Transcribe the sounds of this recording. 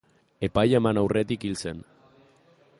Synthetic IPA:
epajemanawret̪ikilsen

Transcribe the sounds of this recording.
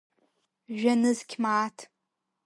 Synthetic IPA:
ʒᶣanɨzkʲʰmaːtʰ

